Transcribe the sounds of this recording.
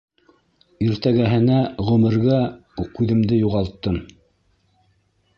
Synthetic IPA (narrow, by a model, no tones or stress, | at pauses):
iɾt̪æɡæɦɘ̆næʁɵ̆mɘ̆ɾɡækʉðɘ̆md̪ɘjuʁɑlˠt̪ːɤm